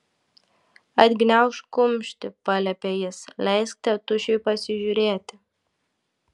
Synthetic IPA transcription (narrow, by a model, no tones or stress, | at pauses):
ɐd̪ɡnʲawʃkʊmʲʃt̪ʲɪpɐlʲɐpʲejɪslʲɛjsk̚t̪ɐt̪ʊʃʲepɐsʲɪʒʲuɾʲeːt̪ʲɪ